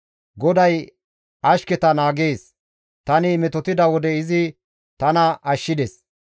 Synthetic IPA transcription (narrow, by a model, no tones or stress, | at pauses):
ɡɔd̪ɐj | ʔɐʃkɛt̪ɐnaːɡeːs | t̪ɐnɪmɛt̪ɔt̪ɪd̪ɐwɔd̪ɛɪzɪ | t̪ɐnɐʔɐʃːɪd̪ɛs